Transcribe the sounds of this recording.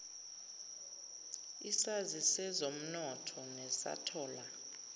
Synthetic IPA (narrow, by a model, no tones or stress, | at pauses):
isazisɛzom̩nɔtʰɔnɛsa̰tʰɔːla